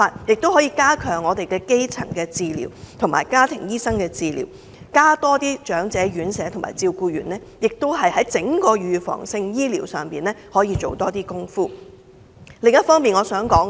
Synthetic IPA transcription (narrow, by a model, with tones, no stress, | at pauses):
aː˧t̚jɪ˨k̚t̪o˥whɔː˨˥jiː˧kaː˥kʰœː˨˩ŋɔː˨˧t̪e˨jkɛː˧ke˥jt͡sʰɐ̰˨˩ŋkɛː˧t͡siː˧lḭː˨˩wt̪ʰʊ˨˩ma̰ː˨˩jkaː˥t̪ʰɪ˨˩ŋjiː˥sɐ˥ŋkɛː˧t͡siː˧lḭː˨˩w | kaː˥t̪ɔː˥t̪iː˥t͡ʃœː˨˥ŋt͡sɛː˨˥ɥyː˨˥nsɛː˨˥t̪ʰʊ˨˩ŋma̰ː˨˩jt͡siː˧wkuː˧ɥyː˨˩nɛː˥jɪ˨k̚t̪o˥whɐ˨jhɐ˨˥jt͡sɪ˨˥ŋkɔː˧jyː˨˧fɔ̰ː˨˩ŋsɪ˧ŋjiː˥liː˨˩wsœː˨˩ŋpiː˨˩nlɛː˥hɔː˨˥jiː˧t͡ʃo˨wt̪ɔː˥t̪iː˥kʊ˥ŋfuː˥ | lɪ˨ŋjɐ˥t̚fɔː˥ŋmpiː˨nŋɔː˨˧sœː˨˥ŋkɔː˨˥ŋ